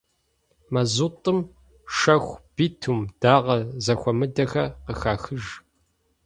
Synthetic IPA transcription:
mɐzutʼɨm | ʂɐxʷb̥iːtʰuːmd̥aːʁɐzɐxʷɔmɨdɐxɐqəxaːxɨʒ

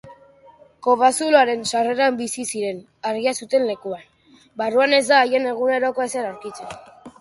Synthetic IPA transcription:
ko̞βasuloaɾe̞nsare̞ɾambisisiɾe̞n | aɾɣiasut̪e̞nle̞kuan | baruane̞zd̪aːje̞ne̞ɣ̞une̞ɾo̞ko̞eseɾawɾkit͡sen

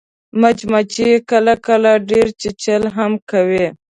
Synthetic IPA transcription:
mat͡ʃmat͡ʃikəlakəlaɖeɾt͡ʃet͡ʃəlɦamkawe

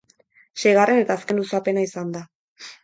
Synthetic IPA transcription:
ʃe̞jɣare̞ne̞t̪aːske̞nlusape̞naisand̪a

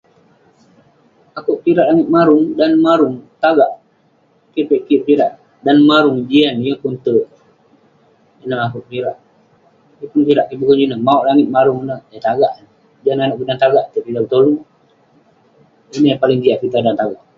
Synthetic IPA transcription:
akuʔpiɾaʔlaŋɪt̪̚maɾʊŋdanmaɾuŋt̪aɡaʔ | kipeʔkipiɾaʔ | danmaɾuŋd͡ʒianjəpunt̪ə | ənəɦakuʔpiɾaʔ | jəpunpiɾaʔkibəkuɲd͡ʒunəmauʔlaŋɪt̪̚maɾuŋnəət̪aɡaʔn | d͡ʒiananaʔɡədant̪aɡaʔt̪əpidat̪olu | inəjapaliŋd͡ʒ̪iaʔpit̪adant̪aɡaʔ

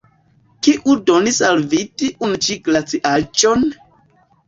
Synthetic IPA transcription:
kiʔudonisalvitiʔunut͡ʃiɡlat͡siʔat͡ʃon

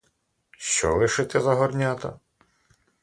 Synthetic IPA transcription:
ʃt͡ʃɔ̰ʋɪʃɪt̪ɛzɐɦɔrnʲat̪ɐ̰

